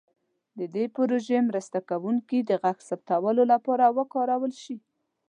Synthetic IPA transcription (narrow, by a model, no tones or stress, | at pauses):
d̪əd̪epɾoʒemɾəst̪akawuŋkid̪əɣaxsap̚t̪awəlolapɑɾawəkɑɾawəlʃi